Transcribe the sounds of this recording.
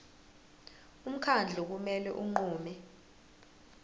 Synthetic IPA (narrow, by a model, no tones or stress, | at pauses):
um̩kʰand͡ɮʱuk̬umɛlɛ̰ʔuŋ͡ǃuːmɛ